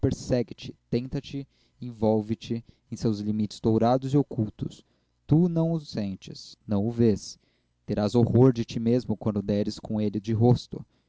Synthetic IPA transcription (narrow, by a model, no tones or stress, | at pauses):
peɾsɛɡɪt͡ʃɪt̪ẽnt̪ɐt͡ʃɪ | ẽj̃vɔwvɪt͡ʃɪẽj̃sewzlimit͡ʃɪ̥z̥d̪owɾad̪ʊziokuwt̪ʊs | t̪unɐ̃w̃ʊsẽnt͡ʃɪsnɐ̃w̃ʊves | t̪eɾazohoɾd͡ʒɪt͡ʃimezmʊkwɐ̃nd̪ʊd̪ɛɾɪskõelɪd͡ʒɪɦost̪ʊ